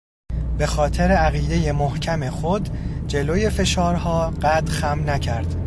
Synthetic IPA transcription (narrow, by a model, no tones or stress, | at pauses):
be̞xɒːt̪ʰeɾeæɣiːd̪e̞je̞mohcʰæme̞xod̪d͡ʒe̞loje̞fe̞ʃɒːɾhɒːɢæd̪xæmnæcʰæɾd̪̥